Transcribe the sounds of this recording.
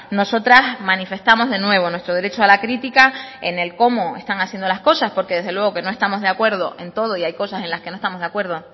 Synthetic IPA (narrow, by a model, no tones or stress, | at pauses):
no̞so̞t̪ɾasmãnife̞st̪amo̞zðe̞nwe̞β̞o̞nwe̞st̪ɾo̞ð̞e̞ɾe̞t͡ʃoalakɾit̪ikae̞̰ne̞lko̞moest̪aŋasje̞nd̪o̞lahsko̞saspo̞ɾke̞ðe̞ɦðelwe̞ɣo̞ke̞no̞est̪amo̞zðeakwe̞ɾð̞o̞ʔe̞nt̪o̞ð̞o̞iajko̞sase̞nlaske̞noet̪amozðakwe̞ɾð̞o̞